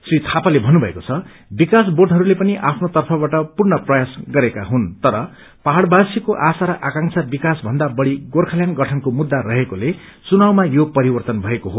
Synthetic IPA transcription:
srit̪ʰapalebʱʌnːubʱʌekot͡sʰʌ | bikasborɖɦʌɾulepʌniʔapʰnot̪ʌrpʰʌbaʈʌpurnʌprʌjasɡʌɾekaɦunt̪ʌɾʌ | paɦaɽbasikoʔasaɾʌʔakãŋsʰabikasbʱʌnd̪abʌɽiɡorkʰaljanɡʌʈʰʌnkomud̪ːaɾʌɦekole | t͡sunawmajopʌɾibʌrt̪ʌnbʱʌekoɦo

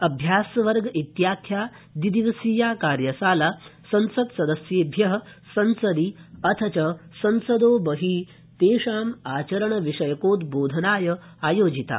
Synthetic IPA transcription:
ɐbʱjaːsʋɐɾɡɐʔit̪jaːkʰjaː | d̪id̪iʋɐsiːjaːkaːɾjɐsaːlasɐ̃nsɐd̪sɐd̪ɐsjeːbʱjɐɦɐ̆ | sɐnsɐd̪iɐt̪ʰɐt͡ʃɐsɐnsɐd̪oːbɐɦiː | t̪eːʂaːmaːt͡ʃɐɾɐɳɐʋiʂɐjɐkoːt̪boːd̪ʱɐnaːjɐ | aːjoːd͡ʒit̪a̰ː

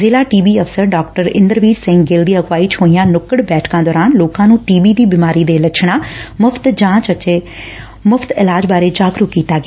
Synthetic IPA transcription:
zeːlaːʈiːbiːəpʰsəɾɖaːk̚ʈəɾɪ̰̃nd̪əɾʋiːʈsɪ̃ŋɡɪld̪iːəɡwaːiːt͡ʃoːijãːnʊkəɽbɛːʈʰkãːd̪ɔːɾaːnloːkãːnũːʈiːbiːd̪iːbimaːɾiːd̪eːlət͡ʃʰɳaːmʊpʰt̪d͡ʒãːt͡ʃət͡ʃeː | mʊpʰt̪ɪlaːd͡ʒbaːɾeːd͡ʒaːkɾuːkiːt̪aːɡɪaː

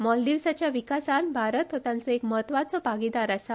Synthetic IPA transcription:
mɔld̪iʋsat͡ɕjaʋikasanbʱaɾət̪ɔt̪jãnt͡sɔekməɦət̪ʋat͡sɔbʱaɡid̪aɾəsa

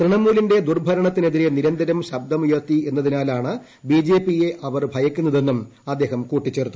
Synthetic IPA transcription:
krɨɳɐmuːlinde̞d̪urbʱɐɾɐɳɐt̪ːine̞ðiɾe̞niɾɐnd̪ɐɾɐmɕɐbd̪ɐmujɐt̪ie̞nːɐðinaːlaːɳɨ | biːd͡ʑeːpːije̞ʔɐʋɐrbʱɐjɐkʲːunːɐðe̞nːumɐd̪ːe̞ːɦɐmkuːʈːit͡ɕːe̞ːrt̪ːu

